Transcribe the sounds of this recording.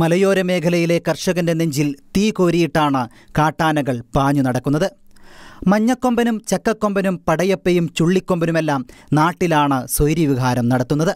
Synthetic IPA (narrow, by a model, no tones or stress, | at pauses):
mɐlɐjo̞ːɾɐme̞ːkʰɐlɐjile̞kɐrʂɐɣɐnde̞neɲd͡ʑilt̪iːko̞ːɾijiʈːaːɳɨ | kaːʈːaːnɐɣɐɭb̥aːɲːunɐɽɐkːunːɐðɨ | mɐɲːɐkːo̞mbɐnumt͡ɕɐkːɐkːo̞mbɐnumpɐɽɐjɐpːejumt͡ɕuɭːikːo̞mbɐnume̞lːaːmnaːʈːilaːɳɨsojɾiʋiɣaːɾɐmnɐɽɐt̪ːunːɐðɨ